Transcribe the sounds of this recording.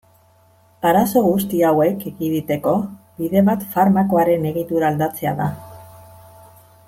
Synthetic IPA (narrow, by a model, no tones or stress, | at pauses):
aɾaso̞ɣust̪iawe̞keɡiðit̪e̞ko̞ | biðe̞βat̪faɾmako̞aɾe̞ne̞ɣit̪uɾaːld̪at͡se̞a̰ða